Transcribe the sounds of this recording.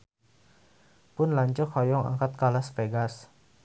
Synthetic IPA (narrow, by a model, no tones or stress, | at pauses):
pʊnlaɲt͡ʃɔkhɔjɔŋa̰ŋkat̪̚kalaspeɡas